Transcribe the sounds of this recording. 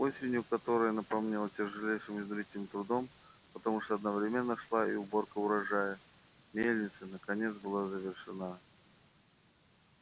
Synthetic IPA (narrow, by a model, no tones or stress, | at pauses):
o̞sʲɪnʲjʊkɐt̪o̞ɾəjənəpɐmnʲelˠətʲɪʐɨlʲejʂɨmɪzʲd̪ɾʲitʲɪɪmt̪ɾʊd̪o̞m | pət̪ɐmuʂt̪oɐd̪nəvɾʲɪmʲenːəʂlˠaḭʊbo̞rkəʊɾɐʐajə | mʲelʲnʲɪt̪sənəkɐnʲe̞t̪sbɨlˠazəvʲɪrʂɨna